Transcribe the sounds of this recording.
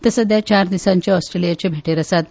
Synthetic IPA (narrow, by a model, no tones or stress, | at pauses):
t̪əsəd̪jat͡ɕaɾd̪isãɲt͡ɕaɔsʈɾelijat͡ɕebʱeʈeɾəsat̪̚